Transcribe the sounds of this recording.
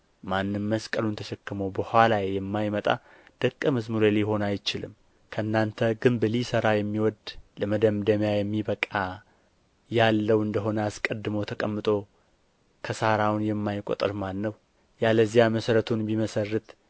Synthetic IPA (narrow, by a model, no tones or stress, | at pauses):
manːɨmːəskʼəlunt̪ʰəʃɛkːɨməwbəhʷalajejɛmːajmət̪ʼa̰ | d̪̥əkʼːəməzmuɾeljho̞najt͡ʃɪlɨmː | kʰəɨnːant̪ʰəɡɨmbɨlisəɾajɛmːiwɔd̪ləməd̪əmd̪əmjajɛmːibəkʼa | jalːəwɨnd̪əɦo̞nəaskʼəd̪ːɨməwt̪ʰəkʼəmːɨt̪ʼo̞ | kʰəsaɾawnjɛmːajkʼo̰t̪ʼɨɾmanːəw | jaləzijaməsəɾət̪ʰunbiməsərːɨt̪